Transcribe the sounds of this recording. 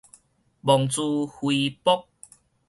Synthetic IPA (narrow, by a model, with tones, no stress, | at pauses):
bɔ˨˩ŋt͡su˧hwi˧pɔ˦˥k̚